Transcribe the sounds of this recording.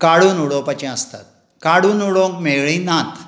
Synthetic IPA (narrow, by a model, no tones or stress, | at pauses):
kaɽuːnuɽopat͡ɕɛ̃əst̪at̪̚ | kaɽuːnuɽõŋkmewɭĩnat̪